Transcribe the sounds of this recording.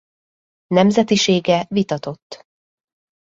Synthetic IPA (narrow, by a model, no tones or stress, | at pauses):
nɛmzɛt̪iʃeːɡɛvit̪ɒt̪o̞t̪ː